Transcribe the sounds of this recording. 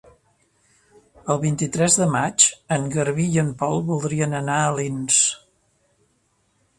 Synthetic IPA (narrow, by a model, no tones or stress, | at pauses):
əlˠβint̪it̪ɾɛzðəmat͡ʃəŋɡəɾβiəmpɔlˠβulˠd̪ɾiənənaəlins